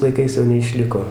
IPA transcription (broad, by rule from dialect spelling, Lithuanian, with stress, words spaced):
lˠɐɪˈkɐɪs jɛʊ nʲɛɪˈʃʲlʲɪkoː